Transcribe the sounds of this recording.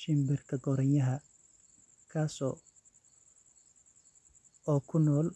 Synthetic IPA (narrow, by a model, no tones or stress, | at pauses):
ʃɪmbɪrkʰɐɡɔɾɐnjɐɦɐ | kʰaːsɔ̰ː | ɔːkʰʊnɔːl